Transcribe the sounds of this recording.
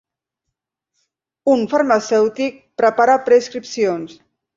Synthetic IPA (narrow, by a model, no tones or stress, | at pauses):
unfaɾmasɛwt̪ik̚pɾəpaɾapɾeiskɾipsions